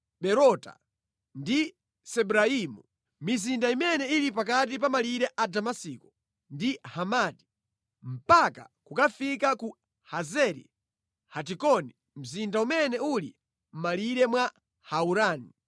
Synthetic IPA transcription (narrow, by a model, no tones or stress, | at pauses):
ɓɛɾɔta̰ | ndi | sɛbuɾaimu | mizindaimɛnɛilipak̬at̬ipamaliɾɛʔadamasikɔ̥ | ndihamaːti̥ | m̩paka̰kukafikaku | hazɛɾḭ | hat̬ikɔni | m̩zindaumɛnɛulḭ | m̩maliɾɛmwa | hauɾaːni